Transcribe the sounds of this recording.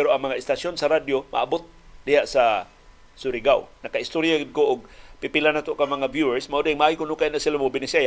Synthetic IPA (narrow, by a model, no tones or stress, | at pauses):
pɛɾoʔaŋmɐŋaʔɪst̪asjonsaɾad̪joma̰ʔabot̪̚d̪ɪhaʔsa | sʊɾɪɡawnakaɪst̪oɾjaɡɪd̪̚koʔʊɡ̚pipɪlanat̪oʔkaŋmɐŋavjuɛɹsmaʔod̪eɪŋmaʔajkʊnʊkainasɪlamobɪnɪseja